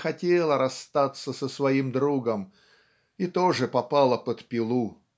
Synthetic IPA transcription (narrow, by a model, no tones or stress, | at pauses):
xɐtʲelˠəɾɐst̪at̪sːəsəsvɐimd̪ɾuɡəm | it̪oʐɨpɐpɑlˠəpət̪pʲɪlˠu